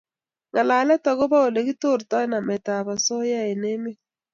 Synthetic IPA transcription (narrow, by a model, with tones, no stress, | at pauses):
ŋa˨la˨lɛ˦ta˨ɣo˦ba˦o˨le˨ɡi˦to˦˨ɾta˦na˨mɛ˨ta˨βa˨sɔ˦ja˦e˨ne˦me˦